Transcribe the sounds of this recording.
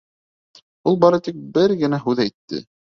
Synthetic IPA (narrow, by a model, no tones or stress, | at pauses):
ulˠbɑɾɤt̪ik̚bɘɾɡɘ̆næɦʉðæjt̪ːɘ̰